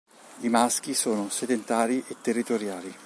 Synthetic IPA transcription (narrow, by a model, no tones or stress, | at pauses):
imask̟isoːnosed̪ent̪aːɾiʔet̪ːerːit̪oɾjaːli